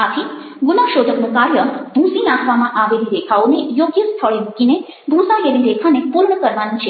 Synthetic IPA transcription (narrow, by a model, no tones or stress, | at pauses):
at̪ʰi | ɡunaʃod̪ʱəknũkaɾjəbʱũsinakʰʋamãʔaʋelid̪ekʰaonejoɡjəst̪ʰəɭemukine | bʱũsajelid̪ekʰanepulɳəkəɾʋanit͡ʃʰe